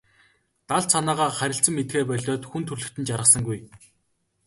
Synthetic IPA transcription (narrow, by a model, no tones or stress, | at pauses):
t̪aɮsʰanaːʁaːχæɾʲɪ̆ɬt͡sə̆mːet̪̚ɡeːpœɮʲɔːt̪xunt̪ʰɵrɮɵ̆kt̪ɘ̆nt͡ɕaɾə̆sə̆ŋɡuj